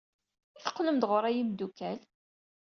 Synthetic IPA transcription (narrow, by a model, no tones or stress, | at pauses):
iθə̥qːləmd̪ʁʊɾˤæjimd̪ukːæl